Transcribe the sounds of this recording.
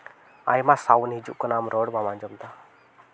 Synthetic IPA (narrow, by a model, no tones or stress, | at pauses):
a̰jmasawnɦid͡ʒṵʔkɔnamɾɔɽmamaɲd͡ʒɔmt̪a